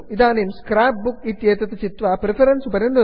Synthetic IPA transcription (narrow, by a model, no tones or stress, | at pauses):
iðaːnejmskɾaːp̚bukit̪ːjeːt̪ːɐt̪ːɨt͡ɕit̪ʋaːpɾifɐɾɐnsupɐɾend̪ɐ